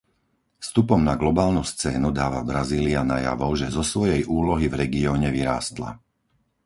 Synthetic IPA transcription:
fst̪upɔmnaɡlɔbaːlnust͡sɛːnud̪aːʋabɾaziːliana̰ja̰ʋɔʊʒɛzɔsʋɔjɛjʔuːlɔɦivɾɛɡiɔːɲɛʋiɾa̰ːst̪la̰

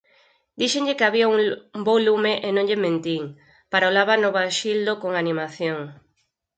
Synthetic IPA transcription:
d̪̥iʃeŋʎɪkeaβiauŋbowlumeʔenõŋʎemẽnt̪iŋ | paɾaolaβanoβaʃild̪okoŋanimaθjoŋ

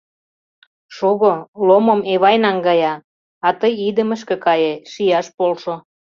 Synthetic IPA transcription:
ʃoɣolomomeβɑjnɑŋɡɑjɑ | ɑt̪əjid̪əmə̆ʃ̬kĕkɑjeʃijɑʃpolʃo

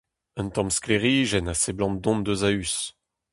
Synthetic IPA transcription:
ɛ̃nt̪ɑ̃mskleʁiʒɛnaseblɑ̃d̪ɔ̃md̪øzays

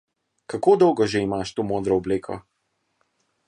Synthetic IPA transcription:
kakoːd̪ɔwɡɔʒeimaʃt̪oːmoːd̪ɾɔɔbleːkʰɔ̰

